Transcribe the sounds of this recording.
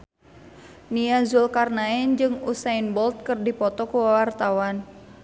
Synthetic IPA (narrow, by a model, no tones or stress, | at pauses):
niazulkarnaɛnd͡ʒɨŋusainbɔlt̪̚kɨrdipɔt̪ɔkuwawart̪awan